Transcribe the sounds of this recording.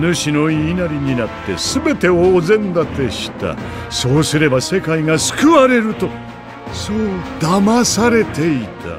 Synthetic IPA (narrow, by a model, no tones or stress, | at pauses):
nɯ̟ɕino̞iːnaɾʲiɲ̟inat̪ːe̞sɨbe̞t̪e̞oːzẽ̞nd̪at̪e̞ɕi̥t̪a̰ | so̞ːsɨɾe̞base̞kaiŋasɨ̥kɯβaɾe̞ɾɯ̟t̪o̞ | soːd̪̥amasaɾe̞t̪e̞it̪ʰa̰